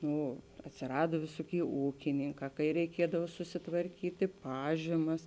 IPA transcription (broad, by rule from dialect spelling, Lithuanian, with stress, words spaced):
ˈnʊ ɐtʲsʲɪˈrɑːdoː ˈʋʲɪsoːˌkʲeːɪ ˈuːkʲɪnʲɪŋˌkɑː kɐɪ rʲɛɪˈkʲiɛdɐw sʊsʲɪtʋɐrʲˈkʲiːtʲɪ ˈpɑːʒʲiːmɐs